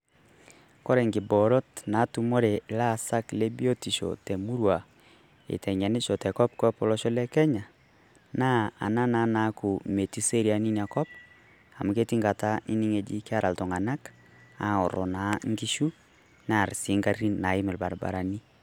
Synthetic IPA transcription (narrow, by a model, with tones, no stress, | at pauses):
kɔ˦ɾe˨ŋɡi˨bɔ˨ɾɔ˦tna˨˦tu˦mo˦ɾe˨la˦˨sa˦kle˦bi˦o˦ti˨ʃɔ̰˨te˨mu˦ɾwa˨ | ḛ˨tɛ˨ɲa˨ne˦ʃɔ˨tɛ˨kɔ˦p̚kɔ˦pɔ˨lɔ˦ʃɔ˦lɛ˦kɛ˦ɲa˨ | na˦a̰˨na˦na˨˦na˨˦ku˨me˨ti˦se˦ɾi˨a˨ni˦ni˨a˨kɔ˦p̚ | a̰˨mu˨ke˦ti˦ŋɡa˨ta˦i˦ni˦ŋe˨d͡ʒḭ˦ka˦ɾʔa˨ltɔ˨ŋa˨na˦k | a̰˨˦ɔ̰˨ɾɔ̰˨na˨˦ŋɡi˦ʃu˦ | na˦˨ɾsi˨˦ŋɡa˦i˦na˨i˦mɛ˨lba̰˨ɾba̰˨ɾa˨ni˦